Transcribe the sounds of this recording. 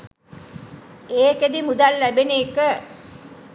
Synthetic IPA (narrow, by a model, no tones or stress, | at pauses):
eːked̪imud̪alːæbeneːkə